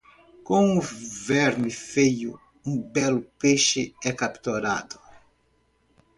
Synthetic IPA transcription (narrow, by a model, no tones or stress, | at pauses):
kõŋʊvɛɾmɪfejʊ̰ | ũbɛlʊpeʃɪɛkapt̪oɾa̰d̪ʊ̥